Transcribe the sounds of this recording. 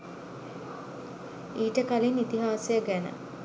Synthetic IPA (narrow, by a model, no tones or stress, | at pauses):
iːʈəkalinit̪iɦaːsejəɡænə̰